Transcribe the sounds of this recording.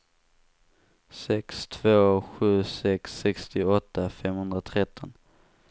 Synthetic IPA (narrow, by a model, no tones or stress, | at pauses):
sɛkst̪ʰvoːɧʉ̟ːsɛksːɛkst̪ɪɔt̪ːafɛmhɵnd̪ɾat̪ʰɾɛt̪ʰːɔn